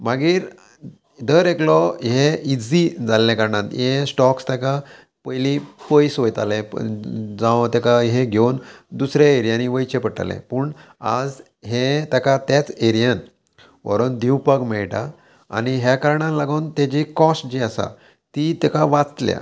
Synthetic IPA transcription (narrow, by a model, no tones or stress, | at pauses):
maɡiːɾ | d̪əɾeklɔɦeid͡zid͡zallːãkəɾɳãt̪jẽsʈɔkst̪aka | pəɦlĩpəjsʋəjt̪a̰lɛ̃ | d͡zãt̪akaɦeɡʱewnd̪usɾjaeɾijãniʋəjt͡ɕepəʈa̰lɛ̰̃pəːɳ | a̰d͡z | ɦet̪akat̪jat͡seɾijan | ʋə̰ɾənd̪ʱiwpəkmɛɭʈa̰ː | niɦjakaɾɳãlaɡəwnt̪jad͡ʑikɔsʈd͡ʑiasa̰ | t̪it̪ɛkaʋat͡st̪lja̰